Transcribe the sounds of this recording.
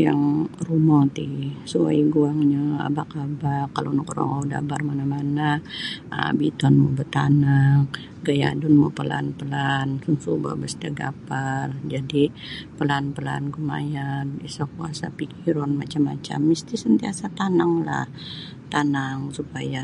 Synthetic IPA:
jaŋrumɔt̪isua̰iɡuaŋɲaa̰bakabakːalonʊkɾɔ̰ŋauda̰barmanamanaə̰bit̪ɔnmobət̪anaŋ | ɡaja̰dʊnmo̰pəla̰npəlansunsuba̰bəsdaɡa̰pard͡ʒadi | pəlanpəla̰nkuma̰janisakua̰sa̰pikʰiɾɔnmat͡ʃamːa̰t͡ʃa̰mːist̪isənt̪iasat̪anaŋla̰h | t̪anaŋsupaja

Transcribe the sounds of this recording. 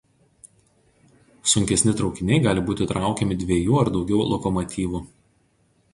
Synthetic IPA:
sʊŋʲkʲɛsʲnʲɪt̪ɾɒʊkʲɪnʲɛɪɡɑːlʲɪbuːt̪ʲɪt̪ɾʔɑˑʊkʲɛmʲɪd̪ʲʋʲiːjuːɐɾd̪ɒʊɡʲɛʊlˠɔkɔmɔt̪ʲʰiːʋuː

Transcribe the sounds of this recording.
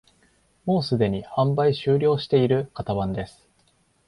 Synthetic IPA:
mo̞ːsɨd̪e̞ɲ̟ihãmbaiɕɨːɾʲo̞ːɕi̥t̪e̞iɾɯ̟kat̪aβãnd̪e̞sɨ̥

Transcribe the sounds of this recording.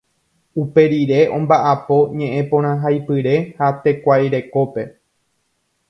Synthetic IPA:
upe̞ɾiɾe̞ʔõ̞mbaʔapo̞ɲẽ̞ʔẽ̞põ̞ɾ̃ãɦajpɨɾe̞hat̪e̞kʷajɾe̞ko̞pe̞

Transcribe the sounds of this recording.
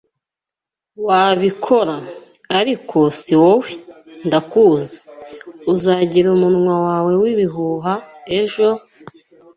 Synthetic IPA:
waːβikʰo̞ɾaː | ɾikʰo̞siwowindakuːzeuzaɟiɾumunmwawaːwe̞wiβiɦuːɦae̞ʒo̞

